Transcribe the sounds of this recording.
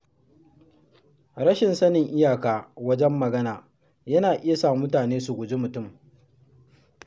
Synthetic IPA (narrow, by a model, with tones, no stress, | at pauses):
ɾɐ˦ʃɪ˨nsɐ˦nɪ˨ŋʔɪ˦jaː˨kaː˨wɐ˦d͡ʒɛ˦mːɐ˨ɡɐ˦naː˨ | jɐ˦naː˨ʔɪ˦ja˨saː˦˨m˦mʊ˦taː˨neː˦su˨ɡʷʊ˨d͡ʒe˦mʊ˨tʊ˦˨m